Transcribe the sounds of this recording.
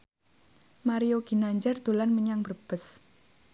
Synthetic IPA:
maɾijoɡ̥i̤naɲd͡ʒard̪̥o̤lanməɲaŋbərb̥əs

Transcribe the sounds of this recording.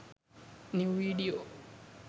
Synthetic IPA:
niviɗiɔ

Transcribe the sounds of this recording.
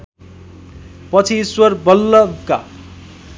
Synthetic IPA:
pʌt͡sʰiswʌrbʌlːʌka

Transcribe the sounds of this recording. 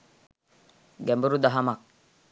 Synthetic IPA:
ɡembəɾudaɦamak̚

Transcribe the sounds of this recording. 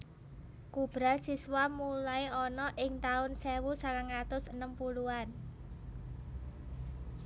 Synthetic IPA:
kub̥ɾasiswamulajɔnɔʔɪŋt̪aʊnsewusalaŋat̪ʊsənəmpuluan

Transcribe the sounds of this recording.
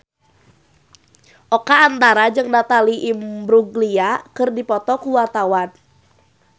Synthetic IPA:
ʔokaːnt̪aɾad͡ʒɨŋdat̪aliʔimbɾuɡliakɨrdipɔt̪ɔkuwart̪awan

